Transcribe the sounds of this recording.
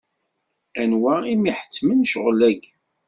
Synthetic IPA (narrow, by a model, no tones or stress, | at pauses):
ænwæimiħə̥t͡sːmənʃəʁlæɡ